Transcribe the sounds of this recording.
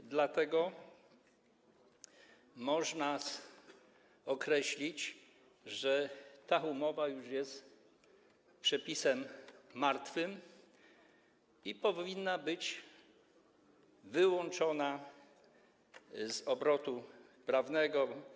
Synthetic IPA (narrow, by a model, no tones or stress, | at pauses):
d̪lat̪ɛɡɔ | mɔʐna | ɔkɾɛɕlʲit͡ɕ | ʐɛt̪aumɔvajuʐjɛst̪ | pʂɛpʲisɛmːaɾt̪fɘm | ipɔinːabɘt͡ɕ | vɘwɔnt͡ʂɔna | zɔbɾɔt̪u | pɾavnɛɡɔ